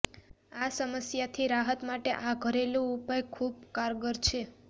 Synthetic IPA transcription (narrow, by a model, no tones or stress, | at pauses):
asəməsjat̪ʰiɾaɦət̪maʈeʔaɡʱəɾelũupajkʰub̚kaɾɡəɾt͡ʃʰe